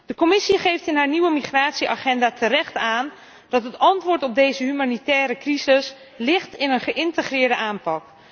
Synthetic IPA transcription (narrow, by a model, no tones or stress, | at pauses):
d̥əkɔmɪsiχejftɪnɦaːɹniwəmiχraːtsiʔaːχɛndaːtʰərɛχtaːn | dɑtɦətɑntʋʊːɹtɔb̚dejzəɦymaːnitɛːɾəkrizɪs | lɪχtɪnənχəʔɪntəχrɪːɹdəʔaːmpɑk